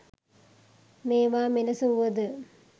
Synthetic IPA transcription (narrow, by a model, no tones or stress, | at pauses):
meːʋaːminɐsuʋɐd̪ɨ